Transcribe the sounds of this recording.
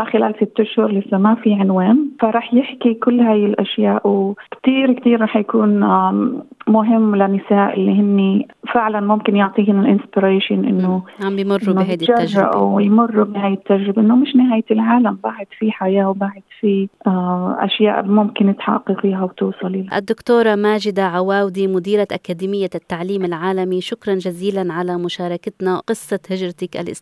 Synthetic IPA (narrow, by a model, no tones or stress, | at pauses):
axɪlaːlsɪt̪ːʊʃhʊɾˤlɪsːamafiʕɪnwaːnfaɾˤɑːħjɪħkikʊlːhaːjɪlʔaʃjaːʔwkt̪iːɾkt̪iːɾːˤɑːħjakuːn | mʊɦɪmːlanːɪsaːʔɪlːiɦɪnːifɪʕlanmʊmkɪnjʊʕt̪ˤiːhɪnɪlʔɪnspɪɾeːʃɪnʔɪ̰nːoʕambjmʊrːuːɦajd̪iaːaʒːɪ̰ʔa̰wjmʊrˤːubnɪhaːjːɪt̪ːaʒɾɪbaʔɪnːomɪʃnɪɦaːjɪlʕaːlambaːʕɪd̪̥fiħajaːwbaːʕɪd̪fi | ʔa̰ʃja̰ːʔmʊmkɪnːɪt̪ħɑ̰qːɑfiːɦawt̪uːsˤɑlʔɪlʔa̰d̪ːʊkt̪oːɾˤɑmaːd͡ʒɪd̪aʕawaːwd̪imʊd̪iːɾaʔakaːd̪iːmɪjːat̪ːaʕliːmɪlʕaːlamiʃʊkɾˤɑnd͡ʒaziːlanʕalamʊʃɑːɾˤɑkat̪nawqɨsˤːɑhɪʒɾˤɑt̪ɪkʔa̰lʔɪ̰s